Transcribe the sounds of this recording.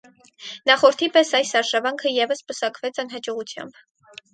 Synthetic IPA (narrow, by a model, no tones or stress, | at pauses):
nɑχɔɾt̪ʰipɛsɑjsɑɾʒɑvɑŋkʰəjɛvəspəsɑkvɛt͡sʰɑnɦɑd͡ʒɔʁut͡sʰjɑ̰mb̥